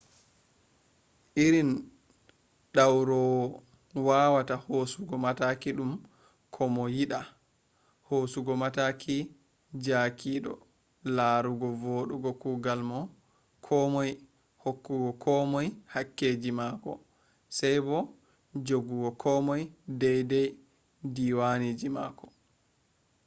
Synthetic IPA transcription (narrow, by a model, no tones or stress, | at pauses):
ʔiɾin | ɗawɾɔw | waːwatahosuɡɔmatakiɗum | kʰɔmɔjiɗa | hoːsuɡɔmatakʰi | d͡ʒakʰiːɗɔ̰ | laːɾuɡɔvoɗuɡɔkuːɡalmɔ | kʰɔmɔj | hokːuɡɔkʰɔmɔjhakːeːd͡ʒimaːkɔ̰ | sɛjbɔ | d͡ʒoɡuɡɔkʰɔmɔjdɛjdɛj | diwanid͡ʒimaːkɔ̥